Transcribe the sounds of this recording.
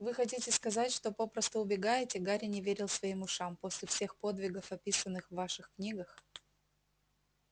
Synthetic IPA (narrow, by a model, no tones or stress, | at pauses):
vɨxɐt̬ʲitʲɪskɐzatʲʂt̪o̞po̞pɾəst̪əʊbʲɪɡajɪtʲɪɡaɾʲɪnʲɪvʲeɾʲɪlˠsvɐimʊʂampo̞sʲlʲɪfsʲe̞xpo̞d̪vʲɪɡəfɐpʲisənːɨxvːaʂɨxknʲiɡəx